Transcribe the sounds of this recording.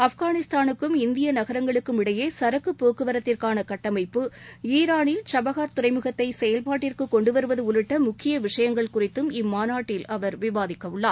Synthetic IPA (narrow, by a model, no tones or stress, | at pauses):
ɐfɣaːnɪst̪aːnɯkːɯmɪnd̪ɪjɐnɐɣɐɾɐŋɡɐɭɯkːɯmɪɽɐjeːsɐɾɐkːɯpːoːkːɯʋɐɾɐt̪ːɪrkaːnɐkɐʈːɐmɐɪpːɯiːɾaːnɪlt͡ʃɐbɐɣaːɾt̪ʊrɐɪmɯɣɐt̪ːɐɪsɛjɐlpaːʈːɪrkɯkːɔɳɖɯʋɐɾɯʋɐðɯʊɾɪʈːɐmʊkʰːɪjɐʋɪʂɐjɐŋɡɐɭkʊrɪt̪ːɯmɪmːaːnaːʈːɪlɐʋɐɾʋɪʋaːðɪkːɐʋɯɭːaːɾ